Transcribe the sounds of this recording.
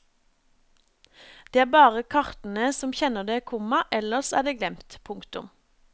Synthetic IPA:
d̪̥eːæːbɑːʁəkʰɑʁt̪n̩əsɔmçɛnəd̪eːkʰʊmɑʔɛləʁsæ̰ːd̪eːɡlɛmt̪pʰʊŋkt̪ʊm

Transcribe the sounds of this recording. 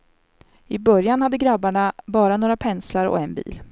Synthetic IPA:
ɪbœɾjanhad̪ːəɡɾabːaɳabɑːɾanoːɾapʰɛnslaɾɔ̰ɛnbḭːl

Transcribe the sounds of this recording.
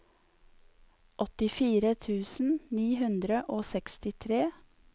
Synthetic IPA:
ʔɔt̪ɪfiːɾət̪ʰʉːsn̩niːɦʉnd̪ɾəʔoːsɛkst̪ɪt̪ʰɾeː

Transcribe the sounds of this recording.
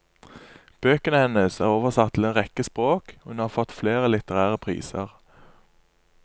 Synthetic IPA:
b̥øːkənəhɛnəsæːʁoːʋəʁsɑt̪ʰːɪl̩eːnʁɛkəspʁoːkːhʉnhɑːʁfɔt̪fleːʁəlɪt̪əʁæːʁəpʰʁḭːsə̰ʁ

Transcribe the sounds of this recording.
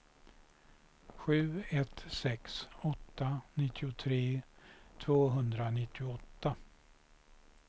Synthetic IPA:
ɧʉ̟ːɛt̪sɛksɔt̪ːanɪt̪ʰːɪʊt̪ʰɾeːt̪ʰvoːɦɵnd̪ɾanɪt̪ʰːɪʊɔt̪ːa

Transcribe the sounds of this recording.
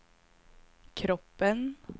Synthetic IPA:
kʰɾɔpːən

